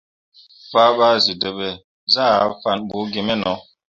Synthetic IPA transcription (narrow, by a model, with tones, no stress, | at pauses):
fa˦ba˦zi˨də˨bɛ˨ | za˦˨˦fa˦˨nbu˨˦ɡi˨mɛ˦nɔ˨˦